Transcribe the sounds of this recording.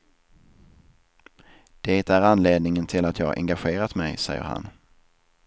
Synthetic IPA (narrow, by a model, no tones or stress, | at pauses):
d̪̥eːt̪æɾanleːd̪nɪŋənt̪ʰɪlat̪jɑːɡʔɛ̰ŋɡaɧeːɾat̪mɛjsɛ̰jːə̰ɾha̰n